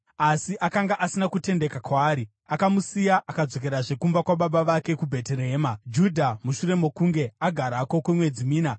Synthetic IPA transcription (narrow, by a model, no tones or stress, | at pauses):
asiʔakaŋɡaʔasinakute̞nde̞kakwaːɾi | akamusijaʔakad͡zo̞k̬e̞ɾaʐe̞kumbakwaɓaɓaʋake̞kubʱe̞teɾeɦeːmad͡ʒudʱamuʃuɾe̞mo̞kuŋɡe̞aɡʱaɾako̞kwemwe̞d͡zimiːna